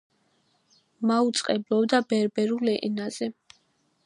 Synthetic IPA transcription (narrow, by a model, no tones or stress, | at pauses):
maut̪sʼqʼɛblˠɔbd̪abɛɾbɛɾulɛʔɛnaz̥ɛ